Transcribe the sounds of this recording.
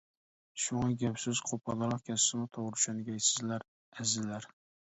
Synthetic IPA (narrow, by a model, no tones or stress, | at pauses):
ʃʊŋɑɡʲapsɪz̥qʰopʰɑlˠɑɾɑχkʲʰast̪ɪnɪt̪ʰoʁɾʃanɪɡʲajt̪sɪzlaɾ | æzɪlaɾ